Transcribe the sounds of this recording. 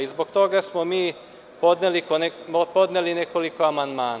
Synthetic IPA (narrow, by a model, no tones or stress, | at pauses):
izbokt̪o̞ɡasmomiː | pod̪nelikonepo̞d̪neline̞koliko̞amand̪maːn